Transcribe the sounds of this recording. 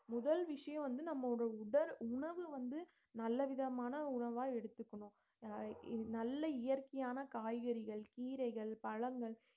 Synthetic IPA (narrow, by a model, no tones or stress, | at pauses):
mʊðɐlʋɪʂɐjɐ̃ʋɐnd̪ɯnɐmːɔɽɽɐʊɽɐɾʊɳɐʋɯʋɐnd̪ɯ | nɐlːɐʋɪðɐmaːnɐʊɳɐʋaːɛɽɯt̪ːɯkːɐɳʊ̃ | nɐlːɐɪjɐrkɐjaːnɐkaːjɣɐɾɪɣɐɭkiːɾɐɪɣɐɭpɐɻɐŋɡɐɭ